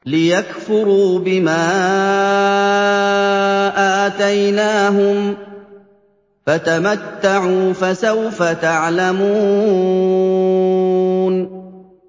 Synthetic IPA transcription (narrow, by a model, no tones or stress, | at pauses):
lɪjakfʊɾuːbɪmaː | ʔaːt̪ajnaːɦʊm | fat̪amat̪ːaʕuːfasawfat̪aʕlamuː | n